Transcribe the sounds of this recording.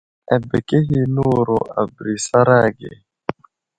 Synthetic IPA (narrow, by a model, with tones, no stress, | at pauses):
ɛ˨bɛ˨kɛ˦ɦi˨nu˦ɾɔ˨a̰˨bɾi˨sa˦ɾa˦ɡɛ̰˨